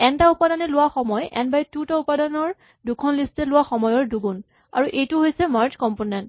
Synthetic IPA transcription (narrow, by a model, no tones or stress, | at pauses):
ɛntaʊpadanɛlʊwaxɔmɔjɛ̰nbajtutaupadanɔɹ | dukʰɔnlistɛlʊwaxɔmɔjɔɹduɡun | a̰ɹuʔejtʊɦojsɛmaɹd͡ʒkɔmponɛnt